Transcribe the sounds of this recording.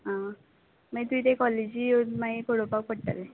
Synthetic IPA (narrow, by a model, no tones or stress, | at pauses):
ɦã | məit̪uit̪ekɔled͡ʑionmaɦipoɽopak̚pəɽʈa̰le